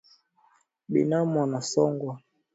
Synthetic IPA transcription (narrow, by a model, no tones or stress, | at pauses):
ɓḭnamwanasɔŋɡwa